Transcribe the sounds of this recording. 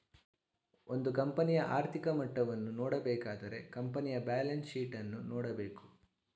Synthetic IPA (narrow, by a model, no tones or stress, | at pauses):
ond̪ukɐmpɐnijɐʔaːɾt̪ʰikɐmɐʈːɐʋɐnːunɔːɽɐbɛːkaːd̪ɐɾe̞̰kɐmpɐnijɐbaːlɐnsʃiːʈɐnːunɔːɽɐbeːku̥